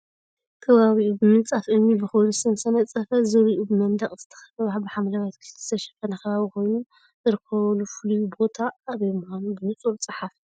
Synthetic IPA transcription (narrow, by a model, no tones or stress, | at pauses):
k̪ʰɐβaβiʔubɨmɨnt͡sʼafʔɨnːibɨxownɨsɐnsɐnɐt͡sʼɐfɐzɨɾiʔubɨmɐnd̪ɐχʼz̥ɨt̪ʰɐ̥xɐ̥fɐβaħbɨħamlaβat̪kʰɨ̥ɨ̥t̪ʰɐʃɐ̥fɐnɐkʰɐβaβikʰo̞jnu | zɨɾɨkʰːɐβɐlufɨlujubo̞t̪ʰaːβjemuhanubɨmɨt͡sʼut͡sʼɨħaf